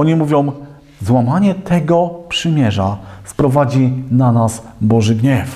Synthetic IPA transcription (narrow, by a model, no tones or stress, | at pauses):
ɔɲimuvʲjɔ̃w̃ | zwamaɲɛt̪ʰɛɡɔpʂɘmʲjɛʐafpɾɔvad͡ʑinanasbɔʐɘɡɲɛf